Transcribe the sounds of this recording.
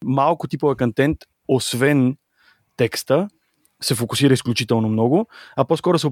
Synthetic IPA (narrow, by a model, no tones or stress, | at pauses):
malˠkʊt̪ipovəkɐnt̪ɛnt̪ | osvɛn | t̪ɛkst̪ə | sɛfokʊsiɾəisklʲut͡ʃit̪ɛlˠnomnɔɡʊɐpɔskɔɾʊsɛ